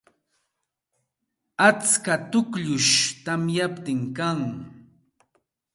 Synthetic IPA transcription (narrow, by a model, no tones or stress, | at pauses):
at͡skat̪ʊkʎʊʃt̪amjapt̪ɪŋkaŋ